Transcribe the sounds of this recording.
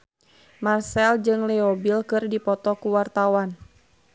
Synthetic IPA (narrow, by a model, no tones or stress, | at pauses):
marsɛld͡ʒɨŋlɛɔbilkɨrdipɔt̪ɔkuwart̪awan